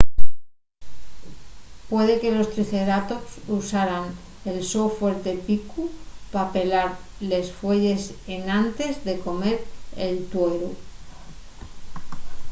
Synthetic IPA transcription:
pwe̞ð̞e̞ke̞lo̞st̪ɾiθe̞ɾat̪o̞ksusaɾan | elso̞fwe̞ɾt̪e̞pikupape̞laɾle̞sfwe̞ʝe̞se̞nãnt̪e̞zðe̞ko̞me̞ɾelt̪weɾu

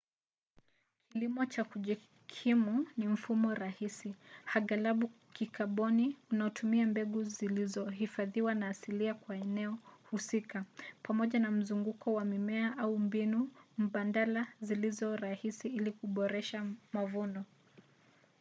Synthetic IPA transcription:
kilimɔt͡ʃakuʄi | kʰimunim̩fumɔɾahisihaɠalaɓu | kʰikʰaɓɔniunaɔtʰumiambɛɠuzilizɔhifaðiwanaːsiliakwaɛnɛɔhusikapamɔʄanam̩zuŋɡukʰɔwamimɛaʔaumbinum̩ɓandalazilizɔɾahisiilikuɓɔɾɛʃamavunɔ

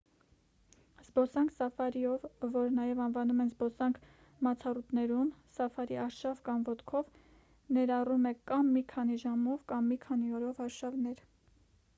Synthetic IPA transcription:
zbɔsɑŋkʰsɑfɑɾiɔvːɔɾnɑjɛvɑnvɑnumɛnzbɔsɑŋkʰ | mɑt͡sʰɑrut̪nɛɾumsɑfɑɾiɑɾʃɑvkɑmvɔt̪kʰɔv | nɛɾɑrumɛkɑmːikʰɑniʒɑmɔvkɑmːikʰɑniɔɾɔvɑɾʃɑvnɛɾ

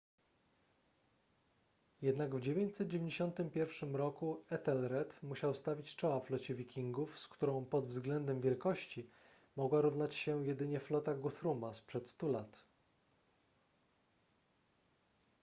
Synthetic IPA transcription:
jɛd̪naɡvd͡ʑevʲjeɲt͡ɕsɛt̪̚d͡ʑevʲeɲd͡ʑeɕɔnt̪ɘmpʲjɛɾfʂɘmɾɔkuɛt̪ɛlɾɛt̪muɕawst̪avʲit͡ɕt͡ʂɔwaflɔt͡ɕɛvʲikʲiŋɡufskt̪uɾɔ̃w̃pɔd̪vzɡlɛnd̪ɛmvʲjɛlkɔɕt͡ɕi | mɔɡwaɾuvnat͡ɕɕɛjɛd̪ɘɲɛflɔt̪aɡuθɾumaspʂɛt̪st̪ulat̪

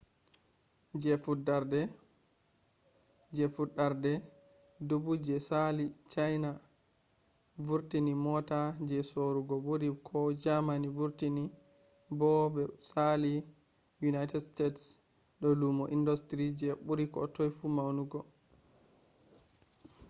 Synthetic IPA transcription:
d͡ʒɛfudaɾdɛ | d͡ʒɛfudaɾdɛ | dubud͡ʒɛsalit͡ʃajna | vuɾtinimɔtad͡ʒɛsoɾuɡɔɓuɾikʰɔd͡ʒamanivuɾtini | bɔbɛsali | junajtɛdstets | ɗɔlumɔʔindɔstɾid͡ʒɛɓuɾikɔ̰tɔjfumawnuɡɔ

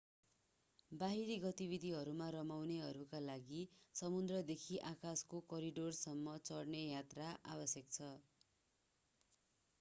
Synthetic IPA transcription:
baɦiɾiɡʌt̪ibid̪ʱiɦʌɾumaɾʌmawneɦʌɾukalaɡisʌmund̪rʌd̪ekʰiʔakaskokʌɾiɖorsʌmːʌt͡sʌrnejat̪raʔa̰bʌsjʌk̚t͡sʰʌ

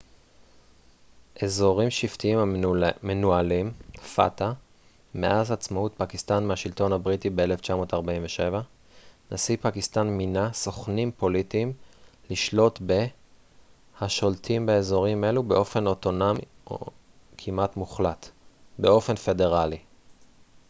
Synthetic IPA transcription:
ʔe̞zo̞ʁimʃivtiimamenualimfa̰ta | me̞̰ʔazat͡smautpakist̪anmehaʃilto̞nhabʁitibeeleft͡ʃamo̞taʁbaimveʃe̞va | nʔasipakist̪anminaso̞χnimpo̞litimliʃlo̞tbe̞ | haʃo̞lt̪ʰimbeezo̞ʁime̞lube̞ʔo̞fe̞no̞t̪o̞nomi | o̰ | kʰimatmuχlatbe̞o̞fe̞nfe̞de̞ʁali

